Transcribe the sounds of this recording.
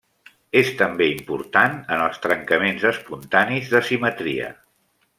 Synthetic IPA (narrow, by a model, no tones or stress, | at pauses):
est̪əmbeimpuɾt̪anənəlˠst̪ɾəŋkəmenzəspunt̪anizðəsimət̪ɾḭə̰